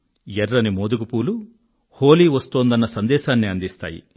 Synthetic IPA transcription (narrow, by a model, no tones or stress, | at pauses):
jɛɾːɐnimoːd̪ukupuːlu | hoːliːʋɐst̪oːnd̪ɐnːɐsɐnd̪ɛːʃaːnːiɐnd̪ist̪a̰ːjḭ